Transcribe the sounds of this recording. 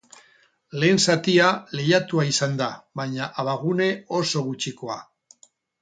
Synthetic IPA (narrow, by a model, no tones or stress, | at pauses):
le̞ːnsat̪iale̞jat̪uaisand̪aβajɲaʔaβaɣune̞o̞so̞ɣut͡ʃiko̞a